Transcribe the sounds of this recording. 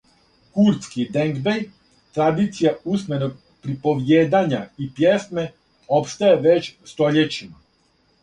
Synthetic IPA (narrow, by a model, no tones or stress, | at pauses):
kuɾt̪skid̪eŋɡbej | t̪ɾad̪it̪sijausme̞noɡ̚ | pɾipo̞ʋjeːd̪aɲaipje̞sme̞ | o̞pst̪ajeʋet͡ɕst̪o̞ʎet͡ɕima